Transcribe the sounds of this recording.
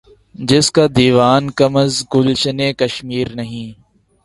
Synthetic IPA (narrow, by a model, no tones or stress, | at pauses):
d͡ʒɪskaːd̪iːʋaːnkəməzɡʊlʃəneːkəʃmiːɾnəɦĩː